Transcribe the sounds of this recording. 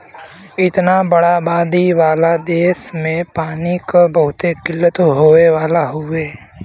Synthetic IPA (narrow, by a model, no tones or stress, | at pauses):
ɪt̪nabəɽabaːd̪iʋaːlad̪eːsmẽpaːnikbəɦʊt̪ekɪlːət̪ɦoːeʋaːlaɦʊeː